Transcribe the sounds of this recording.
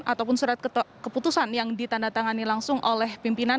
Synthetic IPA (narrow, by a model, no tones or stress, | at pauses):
at̪awpʊnsuɾat̪̚kkəput̪usanjaŋdit̪andat̪aŋanilaŋsʊŋʔolɛhpimpina